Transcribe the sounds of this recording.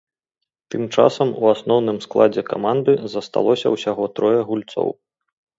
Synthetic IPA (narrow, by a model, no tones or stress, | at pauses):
t̪ɨmt͡ʂa̰sɐmṵasnɔwnɨmsklˠad͡zʲɛka̰mand̪ɨzɐst̪a̰lˠɔsʲɐ̰wsʲaɣɔt̪ɾɔjɐɣulʲt̪sɔ̰w